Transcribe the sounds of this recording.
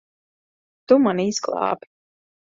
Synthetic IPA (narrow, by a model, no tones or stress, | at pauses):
t̪umanisklˠɑ̰ːpi̥